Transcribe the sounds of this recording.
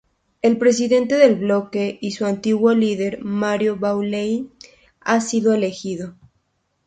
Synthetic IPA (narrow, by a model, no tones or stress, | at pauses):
e̞lpɾe̞s̬iðe̞nt̪e̞ðe̞lβlo̞ke̞isuant̪iɣwo̞lið̞e̞ɾmaɾjoβawlejn | asiðo̞ele̞xiðo